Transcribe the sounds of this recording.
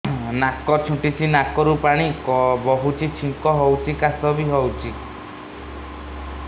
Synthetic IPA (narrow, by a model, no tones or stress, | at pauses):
nakɔt͡ʃʰũʈit͡ʃʰinakɔɾupaɽ̃ikɔbɔɦut͡ʃʰit͡ʃʰiŋkɔɦɔwt͡ʃʰikasɔbiɦɔwt͡ʃʰi